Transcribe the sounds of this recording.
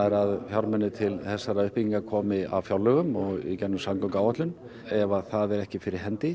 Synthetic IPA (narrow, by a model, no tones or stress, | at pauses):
ɛɾaðfjawɾmɛnːɪt̪ʰɪlθɛsːaɾaʏhpiciŋkakʰɔːmɪa̰vfjawlːœɣʏmɔɣḭcɛnːʏmsamkɔŋkaːwat̪lʏn | ɛvaθaðɛɾɛhcɪfɪɾɪɾ̥ɦɛnt̪ɪ